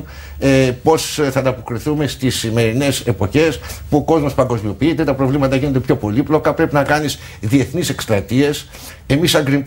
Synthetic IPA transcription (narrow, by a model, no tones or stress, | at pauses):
epo̞sθɐt̪ɐpo̞kɾiθume̞st̪isime̞ɾine̞se̞po̞çe̞spuo̞ko̞zmo̞spɐŋɡo̞zmio̞piit̪e̞t̪ɐpɾo̞vlimɐt̪ɐʝinond̪e̞pço̞po̞liplo̞kɐpɾe̞pinɐkɐnis | ðie̞θnise̞kst̪ɾɐt̪ie̞s | e̞misɐŋɡɾim